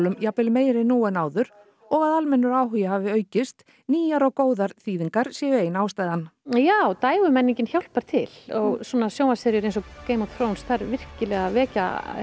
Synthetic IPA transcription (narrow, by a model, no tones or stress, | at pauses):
lʏmjapɪlmeːjɾɪnuːɛnaːwðʏɾ | ɔɣaðalmɛnːʏɾaːwɦʏjahavɪœːɥcɪst̪ | niːjaɾɔɣkoːwðaɾ̥θiːðiŋkaɾ̥sjɛjʏeːjnaːwst̪aːjðanːjawt̪aːjɣʏmɛnːiɲcɪnçawlpaɾ̥t̪ʰɪ̰lɔɣsɔnasjoːwnasɛɾjʏɾejnsɔkeːjmɔθʰɾownsθaɾvɪr̥cɪlɛɣavɛːca̰